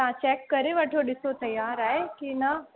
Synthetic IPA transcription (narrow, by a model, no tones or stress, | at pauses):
t̪ãːt͡ʃɛːkːɐɾeʋɐʈʰoɗɪsot̪ɐjaːɾaːɦekinɐ